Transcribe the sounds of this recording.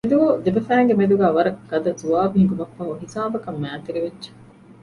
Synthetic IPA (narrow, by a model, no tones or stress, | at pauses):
ed̪uɡoːd̪ebɐfæːŋɡemed̪uɡæːʋɐɾɐkɡɐd̪ɐzuaːbiɦiɡ̪umɐkfɐɦuɦisaːbɐkɐmːæːt̪iɾiʋedd͡ʒe̥